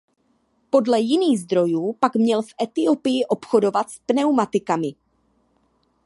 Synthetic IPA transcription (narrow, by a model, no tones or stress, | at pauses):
po̞dlɛjɪniːɣzd̪ɾo̞juːpakmɲɛlfʔɛt̪ɪo̞pɪjɪʔo̞pxo̞do̞vat̪spnɛwmat̪ɪkamɪ